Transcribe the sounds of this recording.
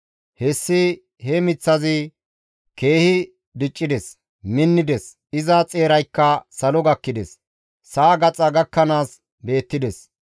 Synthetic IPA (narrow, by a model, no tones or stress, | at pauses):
hɛsːɪ | hɛmɪt͡sːɐzɪ | ke̞ːhɪ | d̪ɪt͡ʃʼːɪd̪ɛs | mɪnːɪd̪ɛs | ɪzɐt͡sʼe̞ːɾɐjkːɐsɐlɔɡɐkːɪd̪ɛs | saːɡɐt͡sʼɐɡɐkːɐnaːs | be̞ːt̪ːɪd̪ɛs